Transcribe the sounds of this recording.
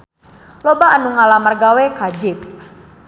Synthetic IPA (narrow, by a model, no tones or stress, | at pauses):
lobaːnuŋalamərɡawekad͡ʒɪp̚